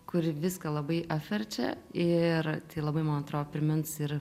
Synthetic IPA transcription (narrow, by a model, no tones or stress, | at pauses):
kʊɾʲʋʲɪskɐlˠɐbɐɪʔɐːfʲʋʲɛrʲt͡ʃʲɛ̰ɪrt̪ʲɐɪlˠɐbɐɪmoːnɐt̪ɾoːopʲɾʲɪmʲɪnsɪr